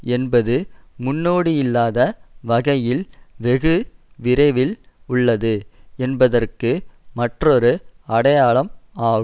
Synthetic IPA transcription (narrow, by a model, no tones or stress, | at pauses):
ɛnbɐðɯmʊnːoːɽijɪlːaːðɐʋɐɣɐjɪlʋɛɣɯʋɪɾɐɪʋɪl | ʊɭːɐðɯɛnbɐðɐrkɯmɐʈrɔɾɯɐɽɐjaːɭɐmaː